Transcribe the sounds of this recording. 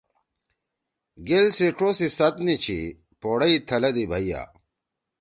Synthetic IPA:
ɡelseʈ͡ʂosisɐt̪nit͡ɕʰḭ | poːɽɐit̪ʰɐlɐd̪ibʱɐija̰

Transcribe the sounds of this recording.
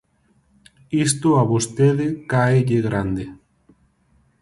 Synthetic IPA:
ist̪oaβost̪eðekaeʎeɣɾand̪e

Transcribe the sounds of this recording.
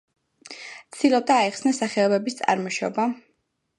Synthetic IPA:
t̪sʰd̪̥ilˠɔb̚d̪aːɛχsnasaχɛɔbɛbist̪sʼa̰ɾmɔʃɔ̰ba

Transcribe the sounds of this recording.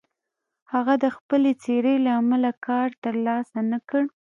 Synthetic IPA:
haɣad̪əxpəlet͡seɾəlaːmalakɑɾt̪əɾlɑsanakəɽ

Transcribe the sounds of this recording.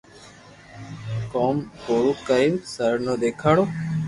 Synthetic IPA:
koːmkoːɽuːkəɾiːnsəɾnoːd̪eːkʰaːɽoː

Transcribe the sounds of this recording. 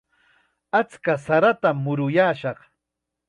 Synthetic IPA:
at͡skasaɾat̪amːʊɾʊjaːʃɑχ

